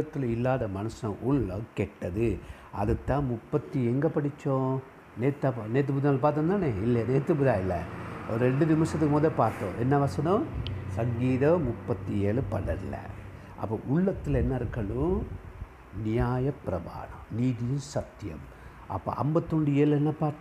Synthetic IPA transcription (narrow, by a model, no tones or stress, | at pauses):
ɐt̪ːɪlɪlːaːðɐmɐnɐsɐ̃ʔʊɭːɐkɛʈːɐðɯ | ʔɐ̰ðɯt̪ːãːmʊpːɐt̪ːiɛŋɡɐpɐɽɪt͡ʃːõː | neːt̪ːapneːt̪̬ːɯpʊðãːlɐpaːɾt̪ɐ̃nt̪aːneːɪlːɐneːt̪ːɯpʊðaːɪlːɐ̰ɔɾɯɾɛɳɖɯnɪmɐʂɐt̪ːɯkːɯmoːðɐpaːɾt̪ːõːʔɛnːɐʋɐsɐnɐ̃sɐŋɡiːðɐmʊpːɐt̪ːieːɭɯpɐɽɐɪlːɐ̰ | ʔɐ̰pːɐːʔʊɭːɐt̪ːɪlɛnːɐɪɾɯkːɐɭʊ̃ | nɪjaːjɐpːɾɐba̰ːɳɐ̰mniːðɪjɯ̃sɐt̪ːɪjɐ̰m | ʔɐ̰pːo̰ːʔɐ̰mbɐt̪ːoɳɖɯeːlɛnːɐpaːɾt̪ː